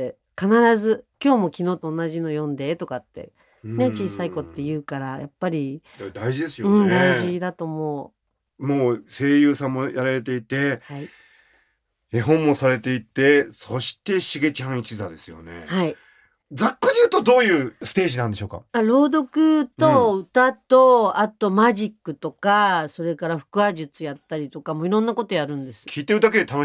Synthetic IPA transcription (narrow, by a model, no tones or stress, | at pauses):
e | kanaɾazɨkʲo̞ːmo̞kʲinoːt̪o̞ːnːaʑino̞jõ̞nd̪e̞t̪o̞kat̪ːe̞̰ | ne̞t͡ɕiːsaiko̞t̪ːe̞jɯ̟ːkaɾajapːaɾʲi | d̪aiʑid̪esɨjoɯ̃ɴd̪aiʑid̪at̪o̞mo̞ | moːse̞ːjɯ̟ːsãmːo̞jaɾaɾe̞t̪e̞it̪e̞hai | eɦõmːo̞saɾe̞t̪e̞it̪e̞so̞ɕi̥t̪e̞ɕiɡe̞t͡ɕãɰ̃it͡ɕiza̰d̪e̞sɨjo̰ne̞̰hai | d͡zakːod̪ejɯ̟ːt̪od̪o̞ːjɯ̟ːsɨ̥t̪e̞ːʑinãnd̪eɕoːka̰aɾo̞ːd̪o̞kɯ̟t̪o̞ɯ̟t̪at̪o̞at̪o̞maʑikːɯ̟t̪o̞kaso̞ɾe̞kaɾaɸɯ̟̥kɯ̟aʑɨt͡sɨjat̪ːaɾʲit̪o̞kamo̞iɾõ̞nːako̞t̪o̞jaɾɯ̟̃nd̪e̞sɨ̥kʲʰiːt̪e̞ɾɯ̟d̪ake̞d̪e̞t̪ano